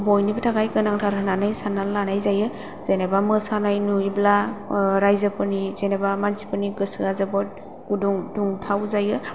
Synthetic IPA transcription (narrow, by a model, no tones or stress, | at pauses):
bɔjnibɯtʰaɡajkɯnaŋtʰaɾɦananajsananlanajzajɯ | z̥enabamɯsanajnuiblaɾajzɯpɯnizenabamansi̥pɯniɡɯsɯazɯbɔt̚ | ɡuduŋduŋtʰawzajɯ